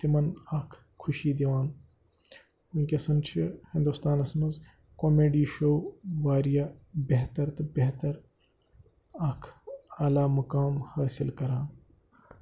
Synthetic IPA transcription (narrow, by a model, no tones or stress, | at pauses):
t̪imɐnakʰ | kʰːʊʃiːd̪iʋaːn | unʲkʲesɐnt͡ʃʰihĩnd̪ust̪aːnɐsmɐz | koːmeːɖiːʃowʋaːɾijaːbeɦt̪ɐɾt̪ɨbeɦt̪ɐɾ | ɐkʰaːlaːmɐkaːmhaːsilkɐɾaːn